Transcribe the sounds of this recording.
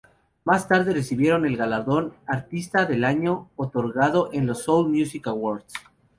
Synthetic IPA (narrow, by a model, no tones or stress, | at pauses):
mast̪aɾðeresiβje̞ɾo̞ne̞lɣalaɾðo̞naɾt̪ist̪aðe̞laɲo̞ot̪o̞ɾɣað̞o̞ʔe̞nlo̞solmjusikawoɾd̪s